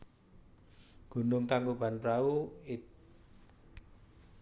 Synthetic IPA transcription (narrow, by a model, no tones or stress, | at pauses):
ɡ̥ṳnʊŋkaŋɡob̥a̤npɾauɪt̪̚